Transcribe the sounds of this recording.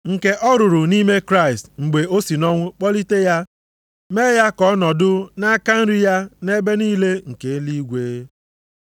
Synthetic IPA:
ŋ̩˨ke˦ʔɔ˦ɾʊ˨ɾʊ˨ni˦me˦kɾa˦˨ɪ˨stŋ͡m̩˨ɡ͡be˨o˦si˨nɔ˦ŋʷʊ˦k͡pɔ˦li˦te˦ja˦ | me˦ja˦kɔ˦nɔ˨dʊ˦na˦ka˦n̩˦ɾi˦ja˦ne˦be˦niː˦le˦ŋ̩˨ke˨˦li˦ɡʷeː˨˦

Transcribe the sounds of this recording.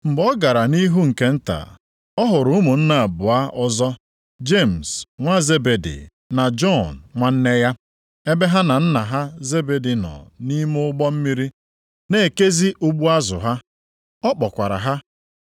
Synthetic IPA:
m̩˨bɔ˦ɡa˨ɾa˨ni˦ɦu˦ŋ̩˨ke˦n̩˦ta̰˨ | ɔ˦ɦʊ˨ɾʊ˨ʊ˦mu˨n̩˦na˨a˨bʊ˨a˦ɔ˦zɔ˦ | d͡ʒe˦˨m̩˨sŋʷa˦ze˦be˨dḭ˨ | na˨d͡ʒɔ˦˨n˨ŋʷa˦n̩˦ne˦ja˦ | e˦be˦ɦa˦na˨n̩˦na˨ɦa˦ze˦be˨di˨nɔ̰˨ni˦mʊ˦ʊ˦ɡ͡bɔ˦m̩˦mi˦ɾi˦ | ne˦˨ke˦zi˦ʔu˦ɡ͡bu˦a˦zʊ̰˨ɦa˦ | ɔ˦k͡pɔ˨kʷa˨ɾa̰˨ɦa˦

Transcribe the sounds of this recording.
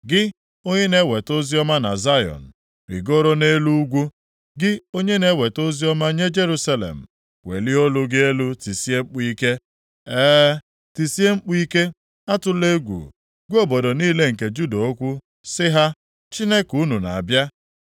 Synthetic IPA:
ɡɪ˦ | o˦ɲe˦ne˦we˨to˦zi˦ɔ˦ma˦na̰˨za˦jɔ̰˨n̩˨ | bḭ˨ɡo˦ɾo˦ne˦lu˦ɡʷu˦ | ɡɪ˦o˦ɲe˦ne˦we˨to˦zi˦ɔ˦ma˦ɲe˦d͡ʒe˦ɾu˦sa˦lḛ˨m̩˨ | wḛ˨lɪ˦o˦lʊ˦ɡɪ˦e˦lu˦ti˨si˦e˦ŋ͡m̩˦k͡pi˦ke˦ | ɛː˦ | ti˨si˦e˦ŋ͡m̩˦k͡pi˦ke˦ | a˦tʊ˦le˦ɡʷṵ˨ | ɡʷo˦bo˨do˨niː˦le˦ŋ̩˨ke˨d͡ʒu˦do˨o˦kʷʊ˦ | sɪ˦ɦa˦ | t͡ʃi˦ne˦ku˦nu˨na̰˨a˨bja˦

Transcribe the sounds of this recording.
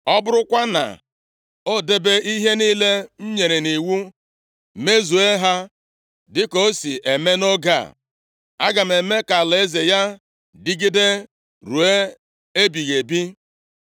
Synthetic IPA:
ɔ˦bʊ˦ɾʊ˦kʷa˦na̰˨ | o˦de˦be˦ʔi˦ɦe˦niː˦le˦m̩˦ɲe˨ɾe˨ni˨wu˦ | me˦zu˨e˦ɦa˦ | dɪ˦ko˦si˨ʔe˨me˦no˦ɡa̰˨ | a˦ɡa˨m̩˨e˨me˦ka˨le˨e˦ze˨ja˦ | dɪ˦ɡi˦de˦ | ɾu˨e˦ | e˦bi˨ɣe˨bi˦

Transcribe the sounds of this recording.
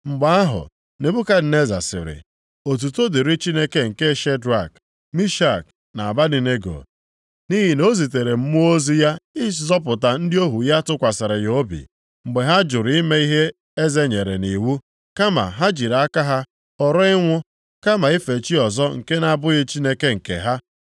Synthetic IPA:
ŋ͡m̩˨ɡ͡ba˦a˦ɦʊ̰˨ | ne˨bu˦ka˦d̩˨ne˦za̰˨sɪ̰˨ɾɪ̰˨ | o˨t̬u˨to˦di˨ɾɪ˦t͡ʃi˦ne˦ke˦ŋ̩˨ke˦ʃe˦dɾa˦˨k | mi˦ʃa˦˨k | na˨a˨ba˦di˨ne˦ɡo̰˨ | ni˦ɦi˨no˦zi˨te˨ɾe˨m̩˦mʊ˦o˦zi˦ja˦ɪ˦zɔ˦p̬ʊ˨ta˨n̩˦dɪ˦o˦ɦu˨ja˦tʊ˦kʷa˨sɪ˨ɾɪ˨jo˨˦bḭ˨ | ŋ͡m̩˨ɡ͡be˨ɦa˦d͡ʒʊ˨ɾi˦me˦i˦ɦe˦ | e˦ze˦ɲe˨ɾḛ˨ni˨wu˦ | ka˦ma̰˨ɦa˦d͡ʒi˨ɾa˦ka˦ɦa˦ | ɔ˨ɾɔ˦ɪ˦ŋʷʊ˦ | ka˦ma˨ɪ˦fe˨t͡ʃi˦ɔ˨zɔ˦ŋ̩˨ke˦na˨a˨bʊ˦ɣɪ˦t͡ʃi˦ne˦ke˦ŋ̩˨kḛ˨ɦa˦

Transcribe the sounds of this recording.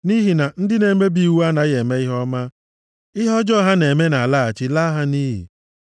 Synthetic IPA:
ni˦ɦi˨na˨n̩˦dɪ˦ne˨me˦bi˦˨wu˦a˦na˨ɣe˨me˦ɪ˦ɦɔ˦ma˦ | ɪ˦ɦɔ˦d͡ʒɔ˦ɦa˦ne˨me˦na˨la˦a˨t͡ʃɪ˦la˦ɦa˦ni˦ɦḭ˨

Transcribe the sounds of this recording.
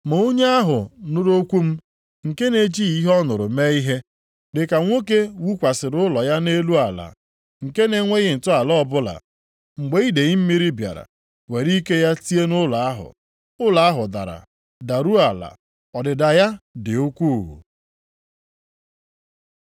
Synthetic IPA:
mo˨o˦ɲe˦a˦ɦʊ˨nʊ˦ɾo˦kʷu˦m̩˦ | ŋ̩˨ke˦ne˨d͡ʒi˦i˦ɦɔ˦nʊ˨ɾʊ˨me˦i˦ɦe˦ | dɪ˨ka˨ŋʷo˦k̬e˦wu˦kʷa˨sɪ˨ɾʊ˦lɔ˨ja˦ne˦lu˦a˨la̰˨ | ŋ̩˨ke˦ne˨ŋʷe˦ɣɪ˨n̩˨tʊ˦a˨lɔ˦˨bʊ˦la̰˨ | ŋ͡m̩˨ɡ͡be˦i˦de˨ɣɪ˦m̩˦mi˦ɾi˦bja̰˨ɾa̰˨ | we˨ɾi˦ke˦ja˦ti˦e˦nʊ˦la˨a˦ɦʊ̰˨ | ʊ˦la˨a˦ɦʊ˨da̰˨ɾa̰˨ | da˨ɾu˦a˨la̰˨ | ɔ˨dɪ˨da˨ja˦dɪ˨o˦kʷu˦˨ɦṵ˨

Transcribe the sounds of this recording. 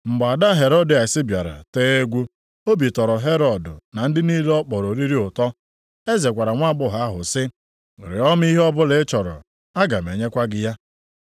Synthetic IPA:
ŋ͡m̩˨ɡ͡ba˨da˦ɦe˨ɾɔ˦di˨a˨sɪ˦bja˨ɾa̰˨teː˦e˦ɡʷu˦ | o˦bi˨tɔ˨ɾɔ˨ɦe˦ɾɔ˨dʊ˨na˨n̩˦dɪ˦ni˦lɔ˦k͡pɔ˨ɾo˨ɾi˦ɾi˦ʊ˨tɔ˦ | e˦ze˨kʷa˨ɾa˨ŋʷa˦ɡ͡bʊ˦ɦa˦a˦ɦʊ̰˨sɪ˦˨ | ɾɪ̰˨ɔ˦m˦i˦ɦɔ˦bʊ˦le˨˦t͡ʃɔ˨ɾɔ̰˨ | a˦ɡa˨m˨e˨ɲe˦kʷa˦ɡɪ˦ja˦

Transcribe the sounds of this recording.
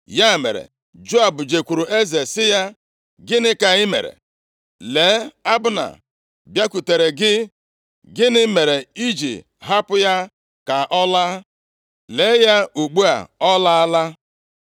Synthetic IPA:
ja˦˨mḛ˨ɾḛ˨ | d͡ʒo˦a˨bʊ˨d͡ʒe˨kʷu˨ɾu˨ʔe˦ze˨sɪ˦ja˦ | ɡɪ˦nɪ˦ka˨ɣɪ˦mḛ˨ɾḛ˨ | le˨˦a˦bʊ˦na̰˨ | bja˦ku˨te˨ɾe˨ɡɪ˦ | ɡɪ˦nɪ˦me˨ɾe˨i˦d͡ʒḭ˨ | ɦa˦pʊ˦ja˦ | ka˨ʔɔ˦la˦ | le˨˦ja˦u˨ɡ͡bu˦a̰˨ɔ˦la˦a˦la˦

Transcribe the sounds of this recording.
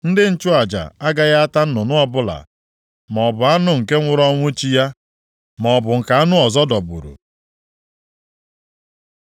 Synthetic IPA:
n̩˦dɪ˦n̩˦t͡ʃʊ˦a˨d͡ʒa̰˨a˦ɡa˦ɣa˦a˦ta˦n̩˦nʊ˨nʊ˦ɔ˦bʊ˦la̰˨ | mɔ˨bʊ˨a˦nʊ˦ŋ̩˨ke˦ŋʷʊ˦ɾɔ˦ŋʷʊ˦t͡ʃi˦ja˦ | mɔ˨bʊ˨ŋ̩˨ka˨a˦nʊ˦ɔ˨zɔ˦dɔ˨bṵ˨ɾṵ˨

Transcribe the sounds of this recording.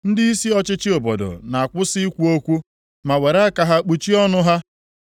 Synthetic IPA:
n̩˦dɪ˦i˦si˦ɔ˨t͡ʃɪ˦t͡ʃɪ˦o˨bo˨dʊ̰˨na˨a˨kʷʊ˦sɪ˦i˦kʷu˦o˦kʷu˦ | ma˨we˨ɾa˦a˦ka˨ɦa˦k͡pu˨t͡ʃi˦ɔ˦nʊ˦ɦa˦

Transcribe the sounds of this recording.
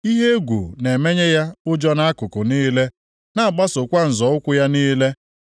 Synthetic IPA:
i˦ɦe˦ɡʷṵ˨ne˨me˦ɲe˦ja˦ʊ˦d͡ʒɔ˦na˦a˦kʊ˨kʊ˨niː˦le˦ | na˦a˨ɡ͡ba˦sʊ˨kʷa˦n̩˨zɔ˨˦ʊ˦kʷʊ˦ja˦niː˦le˦

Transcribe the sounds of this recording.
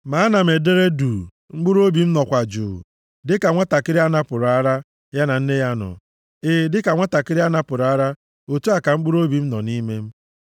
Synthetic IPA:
ma˨˦na˨m̩˨e˨de˦ɾe˦du˨ | ŋ͡m̩˦ɡ͡bu˦ɾo˦bi˨m̩˦nɔ˨kʷa˨d͡ʒʊ̰˨ | dɪ˦ka˨ŋʷa˦ta˨kɪ˦ɾɪ˦a˦na˦pʊ˨ɾa˦ɾa˦ | ja˦na˨n̩˦ne˦ja˦nɔ̰˨ | e˦˨dɪ˦ka˨ŋʷa˦ta˨kɪ˦ɾɪ˦a˦na˦pʊ˨ɾa˦ɾa˦ | o˨tu˦a˨ka˨ŋ͡m̩˦ɡ͡bu˦ɾo˦bi˨m̩˦nɔ˨ni˦me˦m̩˦

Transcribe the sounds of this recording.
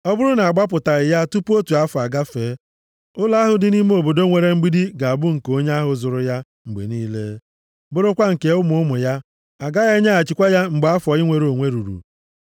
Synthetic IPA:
ɔ˦bʊ˦ɾʊ˦na˨a˨ɡ͡ba˦p̬ʊ˨ta˨ɾɪ˨ja˦tu˦pu˦o˦tu˨a˦fa˨ɡa˦feː˨˦ | ʊ˦la˦ɦʊ˨dɪ˨ni˦me˦o˨bo˨do˦ŋʷe˨ɾe˦ŋ͡m̩˦ɡ͡bi˦di˦ɡa˨a˨bʊ˦ŋ̩˨ko˦ɲe˦a˦ɦʊ˨zʊ˨ɾʊ˦ja˦ | ŋ͡m̩˨ɡ͡bḛ˨niː˦lḛ˦ | bʊ˦ɾʊ˦kʷa˦ŋ̩˨ke˨˦ʊ˦mʊ˦ʊ˦mʊ˨ja˦ | a˨ɡa˦ɣe˦ɲa˦a˨t͡ʃɪ˨kʷa˦ja˦ŋ͡m̩˨ɡ͡ba˦fɔ˨ɪ˦ŋʷe˨ɾo˨ŋʷe˦ɾu˨ɾṵ˨

